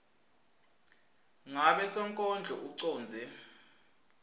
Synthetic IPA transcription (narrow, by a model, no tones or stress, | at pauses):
ŋaɓɛsɔŋkʼɔnd͡ɮʱɔ̰ʔuǀɔːnd͡zʱɛ